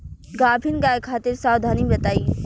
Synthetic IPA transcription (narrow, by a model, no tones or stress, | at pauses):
ɡaːbʱɪnɡaːekʰaːt̪ɪɾsaːwd̪ʱaːnibɐt̪aːiː